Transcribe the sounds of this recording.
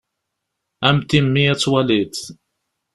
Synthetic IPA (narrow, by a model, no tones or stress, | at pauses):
æmt̪imːijæt͡sːwælid̪